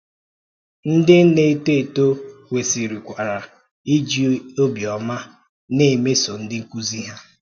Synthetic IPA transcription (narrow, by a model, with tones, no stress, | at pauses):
n̩˦dɪ˦ne˨˦˨te˦˨to˦we˨si˨ɾi˨kʷa˨ɾa˨ | i˦d͡ʒi˦o˦bjɔ˨ma˦ | ne˦˨me˦so˨n̩˦dɪ˦ŋ̩˦ku˦zi˦ɦa˦